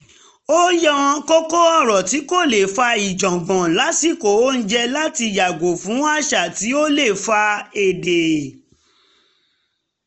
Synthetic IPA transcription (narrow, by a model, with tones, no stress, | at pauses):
o˦jɔ˦wɔ̃˧ko˦ko˦ɔ˦˨ɾɔ˨ti˨˦ko˦˨le˨fa˧i˨d͡ʒɔ̃˨ɡɔ̃˨la˨˦ti˦˨ko˨o˦n̩˦d͡ʒɛ˧la˦ti˧ja˨ɡo˨fũ˨˦a˦ʃa˦˨ti˨˦o˦le˦˨fa˧e˨de˨